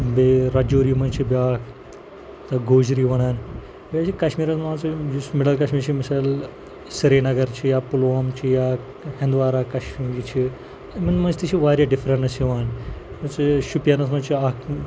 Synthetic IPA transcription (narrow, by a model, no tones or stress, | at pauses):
beːɾɐd͡ʒuːɾimɐnt͡ʃʰibjaːkʰ | t̪ɐɡoːd͡ʒɾiʋɐɽaːn | baːt͡ʃʰikɐʃmiːɾɐsmãːnt͡sid͡ʒusmɪɽɐlkɐʃmiːɾt͡ʃʰimisaːl | siɾeːnɐɡɐɾt͡ʃʰijaːpulʋaːmt͡ʃʰijaː | hẽnd̪ʋaːɾaːkɐʃmiŋɡit͡ʃʰi | mɐnmɐnt͡ʃʰt̪it͡ʃʰiʋaːɾjaɖɪfɾɐ̃ɳʈnɐsiʋaːn | mɐt͡siʃupjanɐsmɐnt͡ʃʰiaːkʰ